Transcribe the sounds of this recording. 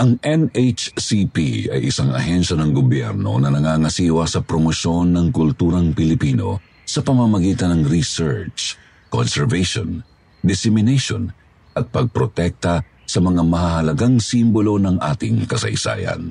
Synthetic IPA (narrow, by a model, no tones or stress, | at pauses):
ʔɐŋʔɛnet͡ʃsipḭɐ̰jʔɪsaŋɐ̰hɛnʃɐnɐŋɡobjɛ̰ɾno̞̰nɐnɐŋaːŋɐsiːwɐsɐpɾomoʃo̞nːɐŋkʊlt̪uːɾɐŋpɪlɪpiːno̞̰ | sɐpɐmɐmɐɡiːt̪ɐnɐŋɾisɛɹt͡ʃ | ko̰nsɛɹvɛjʃo̰n | d̪ɪsɪmɪnɛjʃon | ʔɐt̪̚pɐɡ̚pɾot̪ɛk̚t̪ɐ | sɐmɐŋamɐɦaɦɐlɐɡaŋsimbolo̞nɐŋʔa̰ːt̪ɪŋkɐsɐ̰jsa̰ːjɐ̰n